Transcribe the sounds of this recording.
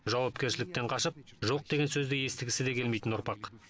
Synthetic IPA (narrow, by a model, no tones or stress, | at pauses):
ʒɑwɑpkʲe̞ɾʃɪlɪk̚t̪e̞ɴqʰɑʃəp̚ʒo̞q̚d̪e̞ɡʲe̞nsɵzd̪eje̞st̪ɪɡʲɪsɪd̪e̞kʲʰe̞lmejt̪ɪnʊɾpɑq